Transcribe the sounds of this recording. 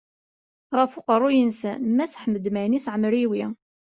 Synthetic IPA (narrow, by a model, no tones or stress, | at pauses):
ʁəfuqərˤːʊjənsæ̰nmæsħməd̪mænisʕəmɾiwi